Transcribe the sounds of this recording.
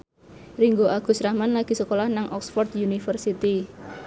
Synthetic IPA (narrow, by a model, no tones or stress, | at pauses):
riŋɡoʔaɡ̥ṳsɾamanlaɡ̥i̤səkolahnaŋʔɔksfɔrt̪junifərsit̪i